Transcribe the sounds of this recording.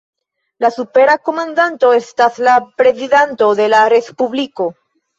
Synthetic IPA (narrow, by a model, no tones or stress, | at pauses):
lasupe̞ɾako̞mãnd̪ant̪o̞est̪aslapɾe̞ziðant̪o̞ðe̞lare̞spuβliko̞